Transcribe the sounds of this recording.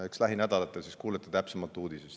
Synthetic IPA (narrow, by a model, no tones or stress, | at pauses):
ekslæɦinæd̪̥ɑlɑt̪ːˑelsiskuːlet̪ːˑɑ̥t̪æpsemɑlt̪ːˑuːd̪̥isest̪